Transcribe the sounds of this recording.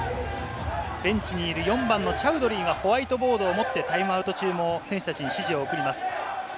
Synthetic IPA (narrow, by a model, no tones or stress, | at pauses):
b̥ẽ̞ɲ̟t͡ɕiɲ̟iːɾɯ̟jõ̞mbãnːo̞t͡ɕaɯ̟d̪o̞ɾʲiːɡaho̞βait̪o̞bo̞ːd̪o̞ːmo̞t̪ːe̞t̪aimɯaɯ̟t̪o̞t͡ɕɨːmo̞sẽ̞ɰ̃ɕɨ̥t̪at͡ɕiɲiɕiʑio̞ːkɯ̟ɾʲimasɨ̥